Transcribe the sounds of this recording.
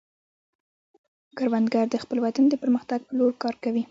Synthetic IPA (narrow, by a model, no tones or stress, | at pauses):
ɡ̥əɾwand̪ɡaɾd̪əxpəlwat̪and̪əpəɾməxt̪aɡ̚pəloɾkɑɾkawi